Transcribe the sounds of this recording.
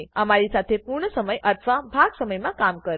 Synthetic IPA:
amaɾisat̪ʰepuɾɳəsəməjʔəɾʰfabʱaɡsəməjmakamkəɾ

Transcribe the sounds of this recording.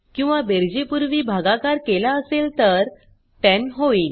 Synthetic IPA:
kĩw̃ʋabeɾd͡ʑepuɾʋiːbʱaɡakaɾkelaəselt̪əɾ | t̪ɛ̃nɦoil

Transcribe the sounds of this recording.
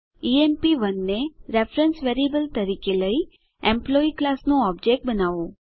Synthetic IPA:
iempiʋənːeɾefɾənsʋeɾibəlt̪əɾikeləi | ẽmplɔiklasnõɔb̚d͡ʒek̚ʈ̚bənaʋõ

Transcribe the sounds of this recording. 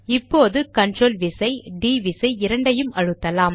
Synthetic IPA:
ɪpːoːðɯkɐnɖroːlʋɪsɐɪɖiːʋɪsɐɪɪɾɐɳɖɐjɯmɐɻɯt̪ːɐlaːm

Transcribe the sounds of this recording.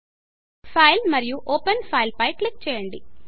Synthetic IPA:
pʰɐjlmɐɾijuʔoːpɐnpʰɐjlpɐjklik̚t͡ʃɛːjɐɳɖi

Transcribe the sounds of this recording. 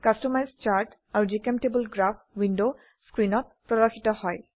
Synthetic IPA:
kastɔmajzt͡ʃaɹt | aɹud͡ʒikɛmtebulɡɹapʰwindo | skɹinɔt̚pɹɔɹɔxʰitɔhɔj

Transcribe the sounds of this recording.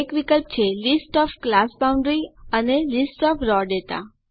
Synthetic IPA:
ekʋikəlp̚t͡ʃʰelisʈɔfklasbaũɳɖɾiənelisʈɔfʰɾɔɖet̪a̰

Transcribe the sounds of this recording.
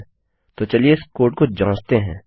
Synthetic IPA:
t̪ot͡ʃɐlieɪskoːʈ̚kod͡ʒãːt͡ʃt̪eɦɛ̃ː

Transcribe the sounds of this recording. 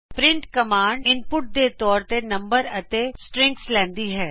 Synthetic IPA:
pɾɪ̃ɳʈkɐmaːɳɖɪ̃npʊʈ̚d̪et̪ɔːɾt̪enɐ̃mbəɾɐt̪esʈɾɛ̃ŋkslɛ̃ːnd̪iɦɛː

